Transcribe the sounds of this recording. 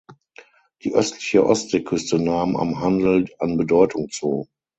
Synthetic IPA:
d̥ḭːʔœstʰlɪçəʔɔstz̥ekʰʏstənaːma̰mɦandl̩anbədɔʏtʊŋt͡soː

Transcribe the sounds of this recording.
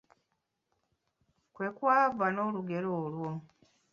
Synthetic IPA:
kwe̞kwaːvano̞luɡe̞ɾoːlwo

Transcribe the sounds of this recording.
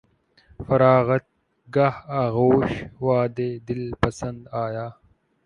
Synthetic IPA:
fɐɾɑːɣɐt̪̚ | ɡahaːɣoːʃwɑːd̪ed̪ɪlpɐsɐnd̪aːjaː

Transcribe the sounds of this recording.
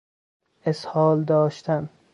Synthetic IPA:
eshɒːld̪ɒːʃt̪ʰæn

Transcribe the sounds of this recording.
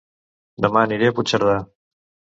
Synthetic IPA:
d̪əmaniɾeaput͡ʃəɾð̞a

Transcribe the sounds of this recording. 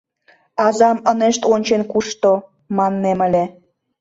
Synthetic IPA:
ɑzɑməneʃt̪onʲt͡ɕenkuʃt̪o | mɑnːemə̆lʲe

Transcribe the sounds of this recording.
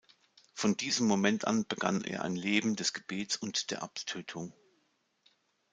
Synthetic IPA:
fɔndiːzəmːomɛntʔa̰nb̥əɡ̥a̰nʔḛːɐʔa̰ɪnleːbm̩dɛsɡ̥əb̥eːt͡sʊntd̥eːɐʔaptʰøːtʰʊŋ

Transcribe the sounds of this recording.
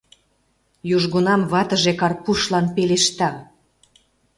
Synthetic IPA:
juʒɣonɑmβɑt̪ə̆ʒekɑrpuʃlɑnpeleʃt̪ɑ

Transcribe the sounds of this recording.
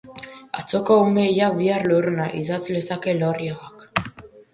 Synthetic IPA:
a̰t͡so̞kaumejak̚biarluɾunaʔiðat͡slesake̞loriaɣak

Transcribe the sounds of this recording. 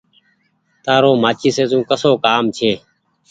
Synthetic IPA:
t̪aːɾoːmaːt͡ʃiːseːzũːkəsoːkaːmt͡ʃʰeː

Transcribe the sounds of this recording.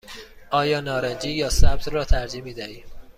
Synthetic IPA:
ʔɒːjɒːnɒːɾæd͡ʒiːjɒːsæb̚t̪ʰɾɒːt̪ʰæɾd͡ʒiːmiːd̪æiːm

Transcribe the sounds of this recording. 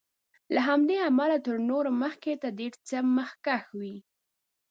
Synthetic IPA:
laɦamd̪eamalat̪əɾnoɾoməxket̪ad̪eɾt͡səməxkaxwi

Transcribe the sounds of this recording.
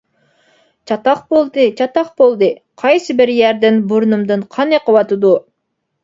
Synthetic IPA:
t͡ʃʰɑt̪ɑqbolˠd̪ɨt͡ʃʰɑt̪ɑχbolˠd̪ɨ | qʰɑjsɨbɪɾjæɾd̪ɪnbuɾnumd̪ɨnqʰɑneqəwɑt̪ɨd̪u

